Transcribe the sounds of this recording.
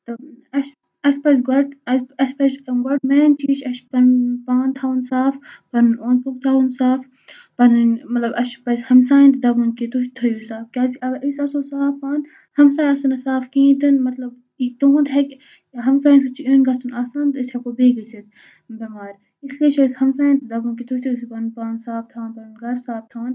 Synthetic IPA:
t̪ɐɐʃ | ɐspɐsɡɐʈɐɐspɐsɐɡɐʈmɛːnt͡ʃʰiːʃɐʃpɐnpaːnt̪ʰaːwnsaːfpɐnõːnpukt̪ʰaːwnsaːf | pɐnnmɐt̪lɐbɐʃpɐzʲhɐmsaːĩnt̪d̪ɐbunket̪ut͡ʃt̪ʰɐjusaːfkʲaːziʔɐɡʔisɐsoːsaːfpaːn | hɐmsaːjɐsɐnɐsaːfkĩːt̪ɨnmɐt̪lɐb | it̪oːũnt̪ɦɐkʲ | ɦɐmsaːjinsɐt͡ʃʰiʔeːnɡɐsunaːsaːnt̪isʰɐkoːbeːɡɐsit̪̚ | bɐmaːɾ | islieʃɐshɐmsaːjĩnt̪d̪ɐbunkit̪uʃt̪ʰisipɐnpãːnsaːft̪ʰãːnpɐnnɡɐɾsaːft̪ʰãːn

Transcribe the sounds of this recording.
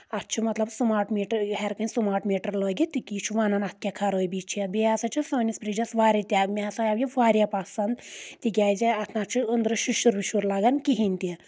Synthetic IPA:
ɐt̪t͡ʃʰumɐt̪lɐbsumaːʈmiːʈɾɦɛɾkɐnsumaːʈmiːʈɐɾloːɡʲit̪ikʲit͡ʃʰuʋanɐnɐt̪̚ʰkʲakʰaɾoːjbʲit͡ʃʰiɐbiaːsɐt͡ʃʰusoːnispɾiːd͡ʒɐsʋaːɾit̪ʲjaːɡmʲesɐabjiʋaːɾjapasɐnd̪t̪ikʲaːjzʲiɐt̪ʰnat̪t͡ʃʰuənd̪ɾɨʃuʃuɾbiʃuɾlaːɡankiɦinʲt̪ʲe

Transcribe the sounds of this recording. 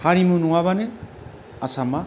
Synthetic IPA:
haɾimunuŋaβane | asama

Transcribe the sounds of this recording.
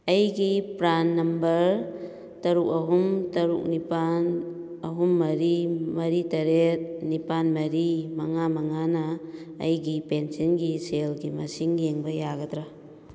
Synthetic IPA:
ɐjɡipɾanːɐmbɐɾ | tɐɾuk̚ɐɦumtɐɾṵk̚nipan | ɐɦumːɐɾimɐɾitɐɾet̚nipanmɐɾimɐŋamɐŋanɐ̰ːjɡipensʌnɡiselɡimɐsiŋjeŋbɐjaɡɐtɾa

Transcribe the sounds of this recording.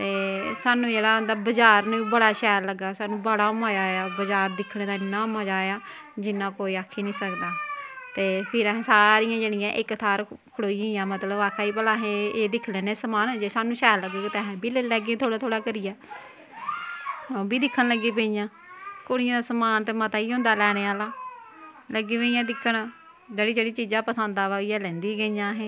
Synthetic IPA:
t̪eːsaːnũːd͡ʒeːɽaːd̪aːbəd͡ʒaːɾnẽibəɽaːʃɛːɾləɡːaːsaːnũːbəɽaːʊmãːd͡ʒaːejaːbəd͡ʒaːɾd̪ɪkʰːɽẽːd̪aːɪnːãːmãːd͡ʒaːejaː | d͡ʒɪnãːkoːiːaːkʰːeːnĩːsəkd̪aːt̪eːpʰɪɾəɦẽːsaːɾɪjãːd͡ʒeːɽɪjãːʔɪkt̪ʰaːɾkʰəɽoːiãːjãːmət̪ləbaːkʰaːiːpəlaːɦẽːeːd̪ɪkʰːlɛ̃ːneːsəmaːnːd͡ʒeːsaːnũːʃɛːləɡoːkːt̪ːəɦɛ̃ːbiːlelɛːɡẽːt̪ʰoːɽaːt̪ʰoːɽaːkəɾɪjaː | oːbiːd̪ɪkʰːənləɡːiːp̬ẽːijãː | koɽɪjãːd̪aːsəmaːnt̪eːmət̪aːiːɦõːnd̪aːlɛːɽ̃eːaːlaː | ləɡːiːpẽɪjãːd̪ɪkʰːənː | d͡ʒeːɽiːd͡ʒeːɽiːt͡ʃiːzãːpəsə̃nd̪aːʋaːijaːlɛ̃ːnd̪iːɡəijãːɦẽː

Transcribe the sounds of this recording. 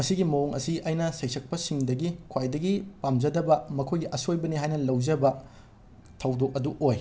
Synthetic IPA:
mɐsiɡimɐoŋʔɐ̰siʔajnɐsejsʰɐk̚pɐsiŋdɐɡikʰwajdɐɡipamd͡ʒɐdɐbɐmɐkʰojɡiʔɐsojbɐniɦajnɐlɐwd͡ʒɐbɐ | tʰɐwdok̚ɐduʔoj

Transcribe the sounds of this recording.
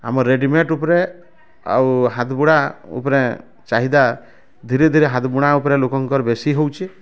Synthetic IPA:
a̰mɔɾːeɖimeʈupɔɾe | a̰wɦat̪buɽ̃aṵpɔɾe | t͡ʃaɦid̪a | d̪ʱiɾed̪ʱiɾeɦat̪buɽ̃aupɔɾelokɔŋkɔɾɔbesiɦowt͡ʃʰi

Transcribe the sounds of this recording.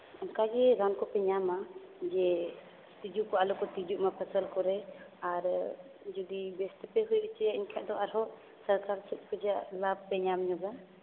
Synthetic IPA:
ɔmkad͡ʒɛɾankɔpɛɲama | d͡ʒɛ | t̪id͡ʒuʔkɔalɔkɔt̪id͡ʒuʔmapʰəsəlkɔɾɛaɾ | d͡ʒɔd̪ibɛst̪ɛpɛɦujt͡ʃɛjaʔiɲkʰɛʔd̪ɔaɾɦɔʔ | səɾkaɾt͡ʃʰut̪̚kʰɔd͡ʒaʔlab̚pɛɲamɲɔɡa

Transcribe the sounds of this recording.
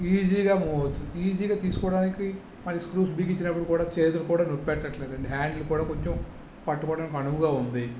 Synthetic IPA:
iːd͡ʒiːɡaːmoiːd͡ʒiːɡaːt̪iːsu̥kɔːɐɽaːniki | mɐɾiskɾuːs̬biɡit͡ʃːinɐpːuɽukuːɽaːt͡ʃeːt̪ulukuːɽaːnopːɛʈːɐʈːɐleːd̪ɐɳɖiɦaːɳɖlukuːɽaːko̞ɲt͡ʃem | pɐʈːukɔːɽaːnik̬ʲɐnuʋuɡaːund̪i

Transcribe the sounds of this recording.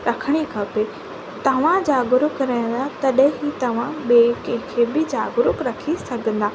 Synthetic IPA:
ɾɐkʰəɽ̃ikʰɐpe | t̪ɐʋ̤ãd͡ʑaːɡʊɾʊkɾɐɦə̃nd̪at̪ɐɗɦɪ̃it̪ɐʋ̤ãɓekɐ̃ɦɪ̃kʰeːbɪd͡ʑaːɡʊɾʊkɾɐkʰisɐɡʱə̃n̆d̪aː

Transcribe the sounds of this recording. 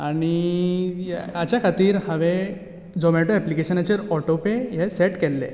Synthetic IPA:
aɽ̃i | at͡ɕjakʰat̪iːɾhaʋe | d͡zɔmɛʈoɛplikeɕənat͡ɕeɾɔʈopejɛsɛʈkɛlːḛ

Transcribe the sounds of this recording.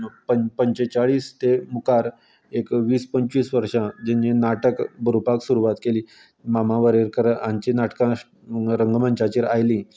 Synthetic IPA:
pəpəɲt͡ɕet͡saɭiːst̪emukaɾ | ekʋiːspəɲt͡ɕiːsʋəɾʂãd͡ʑenːinaʈəkbəɾupaksuɾuʋat̪keliː | mamãʋəɾeɾkəɾãɲt͡ɕiːnaʈkã | ɾəŋɡməɲt͡ɕat͡ɕiːɾajliː

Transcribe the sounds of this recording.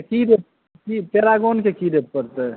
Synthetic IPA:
kid̪ep̚ | kipeɾaɡonkekid̪eppəɾt̪ɛ

